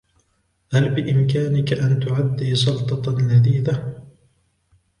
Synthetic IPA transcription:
halbɪʔɪmkaːnɪkaʔant̪ʊʕad̪ːiːsˤɑlt̪ˤɑlad̪iːða

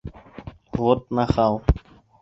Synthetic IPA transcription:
ʋoːt̪̚naxaːw

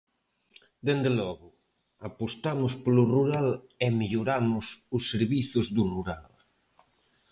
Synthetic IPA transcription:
d̪end̪elɔɣʊ | apost̪amʊsplʊruɾalemiʎoɾamʊsʊsːeɾβiθʊzðʊruɾal

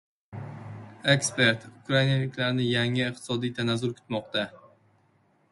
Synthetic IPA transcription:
e̞kspe̞ɾt̪ʊkɾainalɪkʲlaɾnɪjaŋɪqt̪ɪ̥sɒd̪ijt̪ʰanazʊlkʰʊ̥t̪mɒqt̪a

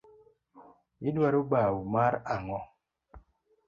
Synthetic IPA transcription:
idwaɾubawumaɾaŋɔ

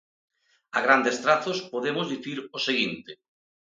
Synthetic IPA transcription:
aɣɾand̪est̪ɾaθospoðemʊzðiθiɾoseɣint̪ɪ

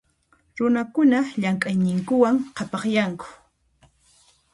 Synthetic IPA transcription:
ɾʊnakʊnaʎaŋkʼajnɪŋkʊwaŋqʰɑpɑχjaŋkʊ̥

